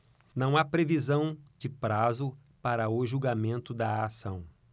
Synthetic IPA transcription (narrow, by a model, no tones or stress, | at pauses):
nɐ̃w̃apɾevizɐ̃w̃d͡ʒɪpɾazʊ | paɾɐʊʒuɡamẽnt̪ʊd̪ɐasɐ̰̃w̃